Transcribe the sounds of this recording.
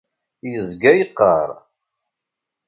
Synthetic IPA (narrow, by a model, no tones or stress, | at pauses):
jəzɡæjəqːəɾˤ